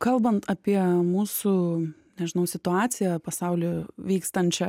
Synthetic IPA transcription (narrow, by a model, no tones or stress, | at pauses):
kɐlˠbɐnt̪ɐpʲiɛmuːsu | nʲɛʒʲɪnɐʊsʲɪt̪ʊɑːt̪sʲɪjɛpɐsɑʊlʲʊʋʲiːkst̪ɐnʲt͡ʃʲɛ